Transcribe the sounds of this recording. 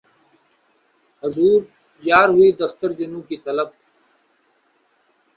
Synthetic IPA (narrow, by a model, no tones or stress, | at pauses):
həzuːɾ | jaːɾɦʊiːd̪əft̪əɾd͡ʒɪnũːkiːt̪ɐləb̚